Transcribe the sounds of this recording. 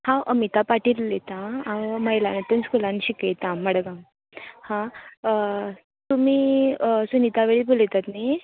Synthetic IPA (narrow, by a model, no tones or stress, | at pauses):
hãʔəmit̪apaʈilːet̪aməjlanet̪unskʰulãnɕikejt̪ãməɽɡã | hã | t̪umisunit̪aʋeɭibʱolet̪at̪ni